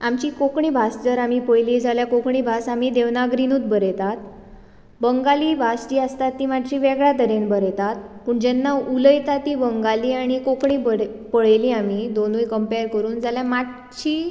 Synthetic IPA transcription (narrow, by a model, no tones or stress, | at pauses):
amt͡ɕiːkokɳibʱasd͡zəɾamipəjliːd͡zaljakokɳibʱasam̤id̪eʋnaɡɾinuːt̪̚bəɾɛt̪at̪ | bəŋɡaliːbʱasd͡ʑiːəst̪at̪ːiːmaʈʰɕiːʋɛɡɭat̪əɾenbəɾet̪at̪̚pəːɳd͡ʑɛnːauləjt̪at̪iːbəŋɡaliːaɽ̃ikokɳiːbə | pəɭeliːam̤id̪onuːjkəmpeɾkəɾuːnd͡zʱaljamaʈ̚ | t͡ɕiː